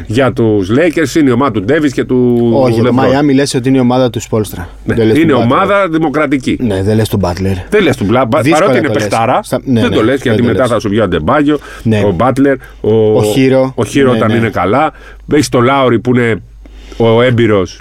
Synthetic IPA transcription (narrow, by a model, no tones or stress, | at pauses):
ʝɐt̪uzle̞jceɾsineio̞mɐðɐt̪ud̪e̞visce̞t̪uoleoɐnmilesot̪̬iineiomɐðɐt̪uspolst̪ɾɐ | neleineo̞mɐðɐðimo̞kɾɐt̪icineðelest̪obɐt̪leɾðelest̪oblɐpɐðipɐsɾo̞einepekt̪ɐɾɐnðend̪o̞le̞sʝɐt̪ime̞ɐθɐsuvʝoɐd̪e̞bɐʝo̞ | obɐt̪le̞ɾ | ooiɾooçiɾoont̪ɐnine̞kɐlɐ | peçst̪o̞lɐoɾipuine̞ | oe̞biɾo̞s